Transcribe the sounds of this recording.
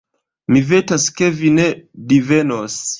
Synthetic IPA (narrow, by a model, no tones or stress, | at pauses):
mivetaskevinedivenos